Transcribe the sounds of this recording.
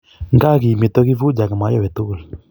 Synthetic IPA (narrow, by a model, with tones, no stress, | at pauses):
ŋɡa˦ɣi˨me˨t̪ɔ˦ɣi˦vu˦d͡ʒa˨ɡa˨ma˨˦jɔ˦wɛ˨t̪o˦˨li˨